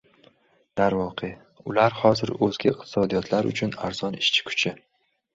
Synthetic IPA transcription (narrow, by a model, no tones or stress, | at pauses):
d̪̥aɾvɒqʰe | ʊlaɾhɒzɪɾɵzɡʲaɪq̚t̪ʰɪ̥sɒd̪ijɒt̪ʰlaɾʊ̰t͡ʃʰʊna̰ɾz̥ɒnɪʃt͡ʃʰɪ̥kʰʊ̥t͡ʃʰɪ